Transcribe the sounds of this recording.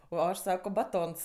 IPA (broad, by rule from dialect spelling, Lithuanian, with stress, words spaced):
oː ˈɐʃ ˈsɑːkoː bɐˈtoːns